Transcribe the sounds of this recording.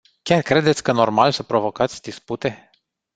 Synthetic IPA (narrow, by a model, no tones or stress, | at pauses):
kʲarkɾe̞d̪e̞t̪sʲkəno̞rmalsəpɾo̞vo̞kat̪sʲd̪isput̪e̞